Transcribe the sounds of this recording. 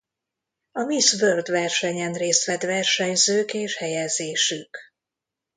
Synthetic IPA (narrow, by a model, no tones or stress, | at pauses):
ɒmisvørd̪vɛrʃɛɲɛnreːst̪ʋɛd̪vɛrʃɛɲzøːkeːʃhɛjɛzeːʃyk